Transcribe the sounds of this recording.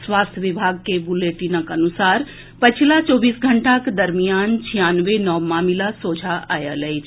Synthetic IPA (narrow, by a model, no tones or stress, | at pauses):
swaːst̪ʰjəʋɪbʱaːɡ̚kebuleːʈinəkənusaːɾ | pət͡ʃʰlat͡ʃɔːbiːsɡʱəɳʈakd̪əɾmijaːnt͡ʃʰijaːnʋenɔːmaːmilasoːd͡ʒʱaʔa̰ːjalɛit͡ʃʰ